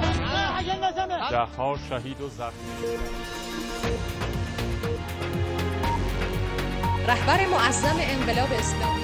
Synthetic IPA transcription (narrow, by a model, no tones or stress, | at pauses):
d̪æhːɒːʃæɦiːd̪ozæxiː | ɾæhbæɾe̞moʔæzːæme̞eɴɢelɒːbeːslɒ̰ːmi